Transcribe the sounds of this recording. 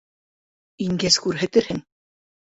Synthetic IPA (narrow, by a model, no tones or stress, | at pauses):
iŋɡæzkʉɾɦæt̪ɘ̆ɾhɘŋ